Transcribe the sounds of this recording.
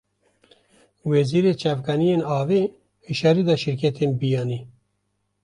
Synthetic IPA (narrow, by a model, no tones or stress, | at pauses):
weziːɾeːt͡ʃavkanijeːnɑːveː | ʃɛɾid̪aːʃɪɾkɛt̪ʰeːmbijɑːniː